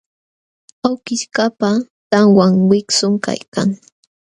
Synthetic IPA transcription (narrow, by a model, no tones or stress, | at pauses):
awkɪʃkapa | t̪aŋwaŋwɪksʊŋka̰jka̰ŋ